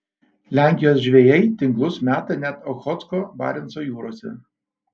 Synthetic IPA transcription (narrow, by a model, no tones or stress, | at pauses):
lʲæˑŋʲkʲɪjoːsʒʲʋʲeːjɛɪt̪ʲɪŋklˠʊsmʲæːt̪ɐnʲæt̪ɔxɔt̪skɔːbɑ̰ːɾʲɛnsoːjuːɾoːsʲɛ̰